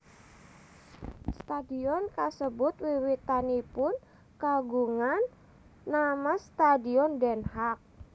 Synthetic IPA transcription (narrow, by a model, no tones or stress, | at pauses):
st̪adiɔnkasəbʊt̪̚wiwit̪anipʊn | kaɡuŋanː | amast̪adiɔndɛnhak̚